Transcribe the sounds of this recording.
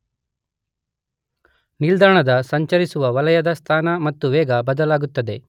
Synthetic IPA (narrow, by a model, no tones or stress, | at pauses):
nild̪aːɳɐd̪ɐsɐɲt͡ʃɐɾisuʋɐʋɐlɐjɐd̪ɐst̪ʰaːnɐmɐt̪ːuʋɛːɡɐbɐd̪ɐlaːɡut̪ːɐd̪e̞